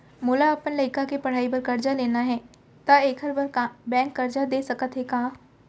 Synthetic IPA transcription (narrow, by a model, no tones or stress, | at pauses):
mʊlaɐpənlɐɪkakepɐɽ̤aːipɐɾkɐɾd͡ʒaleːnaɦɛː | t̪aeːkʰəɾbəɾbɛ̃ːŋkːɐɾd͡ʒad̪eːsɐkət̪ɦɛkaː